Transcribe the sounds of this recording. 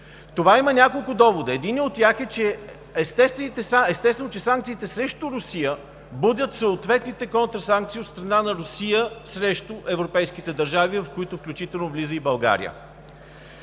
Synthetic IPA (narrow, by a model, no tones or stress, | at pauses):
t̪ovaimənʲakolˠkʊd̪ɔvod̪əɛd̪iniot̪̚ːʲjaxɛt͡ʃɛ | ɛst̪ɛst̪vɛnit̪ɛsaɛst̪ɛsvɛnot͡ʃɛsaŋkt̪siːt̪ɛsɾɛʃt̪ʊɾʊsijə | bɤd̪ʲət̪soːt̪vɛt̪nit̪ɛkɔnt̪ɾəsaŋk̚t̪siːot̪st̪ɾɐnanɐɾʊsijəsɾɛʃt̪ʊʔɛvɾopɛjskit̪ɛd̪ɐɾʒavivɐfkoit̪ʊfklʲut͡ʃit̪ɛlˠnovlizəibɐlˠɡa̰ɾḭjə̰